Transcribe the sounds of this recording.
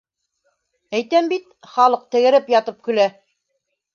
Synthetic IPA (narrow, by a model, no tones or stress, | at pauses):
æjt̪æmbit̪ | χɑlˠɤq̚t̪ɘ̆ɣɘ̆ɾɘpjɑt̪ɤp̚kɵ̆læ